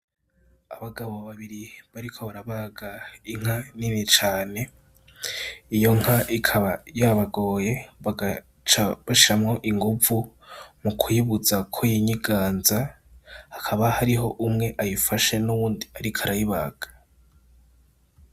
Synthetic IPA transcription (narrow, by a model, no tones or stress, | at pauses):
aβaɡaβo̞βaβiɾiβaɾikʰo̞βaɾaβaɡaiŋ̥haninit͡ʃaːne̞ | ijo̞ŋ̥haʔikʰaβajaβaɡo̞ːje̞aa | t͡ʃaβaʃiɾamŋo̞ʔiŋɡuvu | mukʰujiβud͡zakʰojiɲiɡaːnza | hakʰaβahaɾiɦo̞ʔumŋe̞ʔajifaʃe̞nuβuːndiaɾikʰaɾajiβa̰ɡ̥ḁ